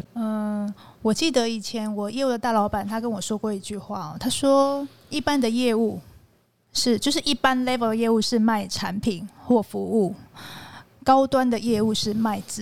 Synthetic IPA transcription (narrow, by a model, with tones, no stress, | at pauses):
ə˥˧wɔ˨˩t͡ɕi˥˩d̪ə˨˦i˨˩t͡ɕʰjɛ˧˥nwɔ˨˩jɛ˥˧u˥˩d̪ə˩t̪a˥˩lɑ˧˥ʊpa˨˩nt̪ʰa˥kə˧˥nwɔ˨˩ʂwɔ˥kwɔ˥˧i˧˥t͡ɕy˥˧xwa˥˩ɔ̰˩t̪ʰa˥ʂwɔ˥ | i˥˩pa˥˦nd̪ə˨jɛ˥˧u˥˩˧ | ʂɻ̩˥˧t͡ɕjo˥˧ʊʂ̬ɻ̩˥˩ʔi˥˩pa˦nle˥ɪfə˨d̪ə˩jɛ˥˧u˥˧ʂɻ̩˥˧ma˥˩ɪʈ͡ʂʰa˧˥npʰi˨˩˦nxwɔ˥˩fu˧˥u˥˩ | kɑ˥ʊt̪wa˦˥nd̪ə˨jɛ˥˧u˥˧ʂɻ̩˥˧ma˥˧ɪt͡sɹ̩˨